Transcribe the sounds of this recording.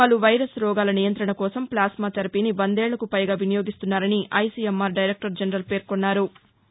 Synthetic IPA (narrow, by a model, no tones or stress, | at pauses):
aːluʋɐjɾɐsɾɔːɡaːlɐnijɐnt̪ɾɐɳɐkɔːsɐmplaːsmaːt̪ɐɾɐpiniʋɐnd̪ɛːɭːɐkupɐjɡaːʋinɐjo̞ːɡist̪unːaːɾɐniʔɐjsiemːaːɾɖɐjɾek̚ʈɐɾd͡ʒɐnɾɐlpe̞ːɾkonːaːɾu